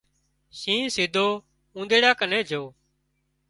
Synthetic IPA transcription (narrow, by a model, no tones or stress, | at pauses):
sĩːsɪd̪ʱoː | ũːnd̪eːɽaːkənẽːd͡ʒʱoː